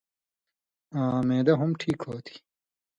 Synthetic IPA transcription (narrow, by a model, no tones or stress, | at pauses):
ãːmẽːd̪ɐɦumʈʰiːkhoːt̪ʰi̥